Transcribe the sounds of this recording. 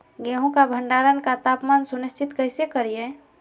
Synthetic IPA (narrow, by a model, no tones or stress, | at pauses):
ɡeɦũkabʱəɳɖaɾənkat̪aːpmaːnsunist͡ʃʰɪt̪kəɪsekəɾije